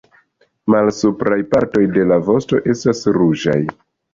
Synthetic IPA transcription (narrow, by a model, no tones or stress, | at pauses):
malsupɾajpaɾto̞jde̞lavo̞sto̞ʔe̞stasɾud͡ʒa̰j